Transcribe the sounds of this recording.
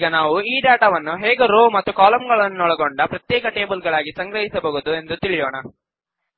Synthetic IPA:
ɡɐnaːʋuiːɖaːʈaːʋɐnːuɦɛːɡeɾoːmɐt̪ːukaːlɐmɡɐɭɐnːunɔɭɐɡoɳɖɐpɾɐt̪jɛːkɐʈe̞ːbɐlɡɐɭaːɡisɐŋɡɾɐɦisɐbɐɣud̪ue̞nd̪ut̪iɭijɔːɳɐ

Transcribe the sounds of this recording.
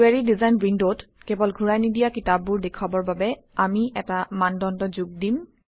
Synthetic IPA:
eɹidizajnwindotkɛbɔlɡʱuɹajnidijakitab̚ːʊɹdekʰabɔɹbabɛ | amiʔɛtamandɔndɔzuɡ̚dim

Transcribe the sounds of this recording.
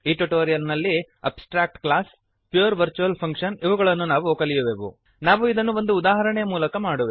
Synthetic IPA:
iːʈuʈoːɾijɐlnɐlːi | ɐ̰psʈɾaːk̚ʈkɭaːs | pjuːɾʋɐɾt͡ʃuɐlpʰɐŋkʂɐniʋɐɡɐɭɐnːunaːʋuoːkɐlijuʋeʋṵ | naːʋuid̪ɐnːuʋo̞nd̪uːd̪aːɦɐɾɐɳɛjɐmuːlɐkɐmaːɽuʋe

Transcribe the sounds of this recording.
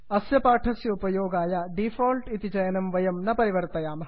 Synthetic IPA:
ɐsjɐpaːʈʰɐsjɐupɐjoːɡaːjɐɖifoːlʈit̪id͡ʒɐjɐnɐmʋɐjɐmnɐpɐɾiʋɐɾt̪ɐjaːmɐ

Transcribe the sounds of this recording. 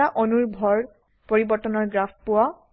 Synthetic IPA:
aʔɔnuɹbʱɔɹ | poɹibɔɹtɔnɔɹɡɹappowa

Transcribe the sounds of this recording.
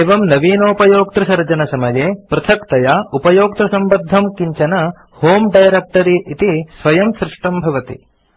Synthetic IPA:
eːʋɐmnɐʋiːnoːpɐjoːk̚t̪ɾɐsɐɾd͡ʒɐnɐsɐmɐjeːpɾɐt̪ʰɐkt̪ɐjaupɐjoːk̚t̪ɾɐsɐmbɐd̪ʱɐmkiɲt͡ʃɐnɐ | hoːmɖɐjɾek̚ʈɐɾiʔit̪isʋɐjɐmsɾɪʂʈɐmbʱɐʋɐt̪ḭ

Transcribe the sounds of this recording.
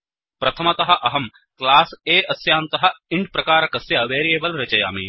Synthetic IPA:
pɾɐt̪ʰɐmɐt̪ɐɦɐ̆ʔɐɦɐm | klaːseːʔɐsjaːnt̪ɐɦɐ̆ɪɳɖ̚pɾɐkaːɾɐkɐsjɐʋeːɾijeːbɐlɾɐt͡ʃɐja̰ːmḭː

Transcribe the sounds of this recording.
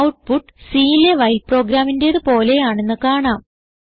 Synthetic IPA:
wʈ̚puʈːsiːileʋɐjlpro̞ːɡɾaːminde̞ðɨpo̞ːle̞jaːɳe̞nːɨkaːɳaːm

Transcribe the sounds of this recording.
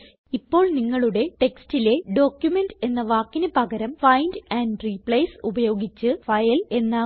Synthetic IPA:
ipːo̞ːɭniŋːɐɭuɽe̞ʈe̞kstile̞ɖo̞ːkjume̞nde̞nːɐʋaːkːinɨpɐɡɐɾɐmfɐjndɐːnɖripɭejsubɐjo̞ːɡit͡ɕːɨfɐjɐle̞nːaː

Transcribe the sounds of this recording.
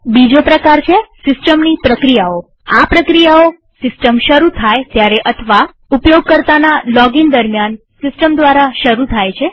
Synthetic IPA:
bid͡ʒopɾəkaɾt͡ʃʰesɪsʈəmnipɾəkɾijao | apɾəkɾijao | sɪsʈəmʃəɾut̪ʰajt̪jaɾeʔət̪ʰəʋa | upjoɡ̚kəɾt̪analɔɡind̪əɾmjan | sɪsʈəmd̪ʋaɾaʃəɾut̪ʰajt͡ʃʰe

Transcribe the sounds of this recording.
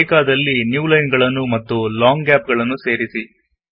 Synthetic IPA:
kaːd̪ɐlːinjuːlɐjnɡɐɭɐnːumɐt̪ːulaːŋɡɡaːp̚ɡɐɭɐnːuse̞ːɾisi

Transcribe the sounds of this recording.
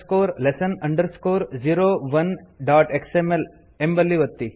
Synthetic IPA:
skoːɾlesənɐɳɖəɾskoːɾd͡ʒiːɾoːʋɐnɖaːʈeksemel | embɐlːiʋɐt̪ːi

